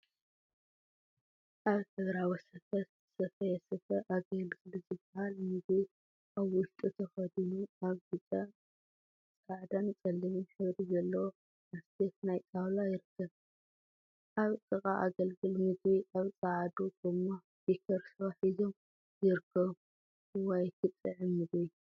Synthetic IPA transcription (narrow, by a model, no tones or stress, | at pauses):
ʔaβt̪ʰɐɡɾawisɐfɐt̪ | sɐfɐjɛsɐfɐʔaɡɐlɡɨlzɨbːahalmɨzwi | ʔaβwʊʃt̪ʼut̪ʰɐxɐd̪inuaβɡɨt͡sʼɐ | t͡sʼaʕd̪ant͡sʼɐlːimuħɨβɾizɐlːɐwo | nast̪et̪najt͡s̪ʼawlajɪɾɨkʰːɐβ | ʔaβtʼɨχʼaʔaɡɐlɡɨlmɨzwiʔaβt͡sʼaʕd̪oɡɨmːa | b̥ikʰɐɾsɨaħizo̞m | jɪɾɨkʰːɐβ | ɨwajt̪ʰɨt̪ʼːɨʕɨmːɨzwi